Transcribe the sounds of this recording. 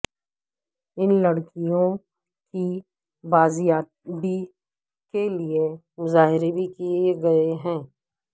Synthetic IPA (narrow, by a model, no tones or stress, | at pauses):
ɪnlɐɽkijõ | ki | baːzijaːt̪̚bʱi | kelie | mʊzaːɦɪɾebʱikieɡɐeɦɛ̃ː